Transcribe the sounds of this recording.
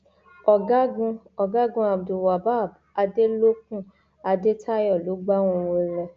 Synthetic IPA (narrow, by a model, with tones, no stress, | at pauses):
ɔ˨ɡa˦ɡũ˧ | ɔ˨ɡa˨˦ɡũ˧˦a˨bdu˨wa˨ba˦˨b | a˧de˦lo˦k̚ũ˦ | a˧de˦tʰa˦jɔ˦˨lo˨˦ɡ͡ba˦w̃ɔ̃˧˨wo˧˨ɾɛ˧